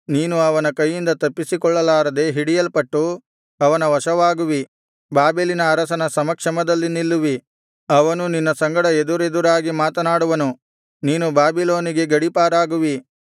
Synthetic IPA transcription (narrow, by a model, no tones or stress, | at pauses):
niːnuɐʋɐnɐkɐjːind̪ɐt̪ɐpːisikɔɭːɐlaːɾɐd̪e̞ɦiɽijɐlpɐʈːu | ɐʋɐnɐʋɐʂɐʋaːɡuʋi | baːbeːlinɐːɾɐsɐnɐsɐmɐkʂɐmɐd̪ɐlːinilːuʋi | ɐʋɐnuninːɐsɐŋɡɐɽɐed̪uɾe̞d̪uɾaːɡimaːt̪ɐnaːɽuʋɐnu | niːnubaːbilo̞ːniɡe̞ɡɐɽipaːɾaːɡuʋi